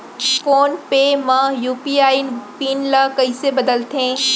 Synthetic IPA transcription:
foːnpemɐ̃juːpiaːinpiːnlakɐisebɐd̪əlt̪ʰẽː

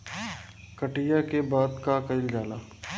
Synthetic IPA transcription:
kɐʈijakebaːd̪kakɐɪld͡ʒaːlaː

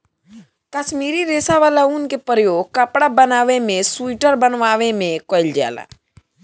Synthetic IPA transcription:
kəʃmiːɾiɾeːsaʋaːlaunkepəɾjoːɡ̚kɐpɽabənaːʋemẽsuʈəɾbənʋaːʋemẽkoɪld͡ʒa̰ːla̰

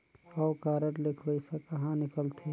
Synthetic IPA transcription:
ɔːkaːɾəɾlɪkʰbəɪsakɐɦãnɪkəlt̪ʰe

